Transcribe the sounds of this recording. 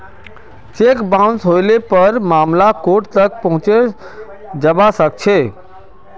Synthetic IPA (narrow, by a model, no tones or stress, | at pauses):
t͡ʃeːkbãʊ̃nsɦoːɪlepəɾmaːmlakoːʈt̪ək̚pɐɦʊ̃t͡ʃe | d͡ʒəbasək̚t͡ʃʰeː